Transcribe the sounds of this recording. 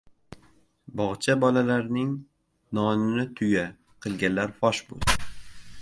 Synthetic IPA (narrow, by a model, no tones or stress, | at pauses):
bɒʁt͡ʃʰabɒlalaɾnɪŋ | nɒnɪnɪt̪ʰʊja | qʰɨlˠɡʲanlaɾfɒʃbo̰lˠd̪